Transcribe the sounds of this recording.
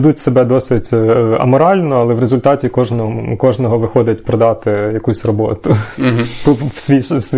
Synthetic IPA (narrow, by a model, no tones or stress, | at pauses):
d̪utʲsebɛd̪ɔsɪtʲɐ̰mɔɾɑlʲnɔɐlˠɛʋrezʊlʲt̪ɑtʲikɔʒnɔkɔʒnɔɦɔʋɪxɔd̪ʲɐtʲpɾɔd̪ɑt̪ɪjɐkusʲrɔbɔt̪ʊpɔsʲʋʲisʲ